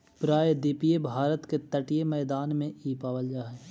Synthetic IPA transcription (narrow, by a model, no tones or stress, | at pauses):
pɾaːjd̪ɪpijebʱaːɾət̪ket̪ɐʈijemɛːd̪aːnmẽiːpaːʋəld͡ʒaːɦɛː